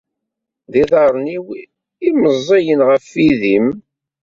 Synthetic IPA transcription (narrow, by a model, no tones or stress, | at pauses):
ðiðɑɾˤniw | iməzˤːɑjənʁəfːiðim